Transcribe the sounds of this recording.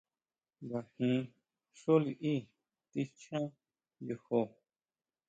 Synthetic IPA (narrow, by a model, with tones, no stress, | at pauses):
ba˨hĩ˧˦ | ʃo˦li˧ʔĩ˦˨ | t̪i˧˦t͡ʃã˦ | jo˧ho˧˨